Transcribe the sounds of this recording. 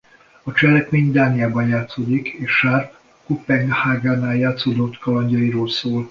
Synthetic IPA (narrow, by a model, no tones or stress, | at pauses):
ɒt͡ʃɛlɛkmeːɲd̪aːnijaːbɒnjaːt̪soːd̪ikeːʃʃarp | kupɛŋɡhaːɡaːnaːjaːt̪soːd̪ot̪ːkɒlɒɲɟɒjiɾoːlsoːl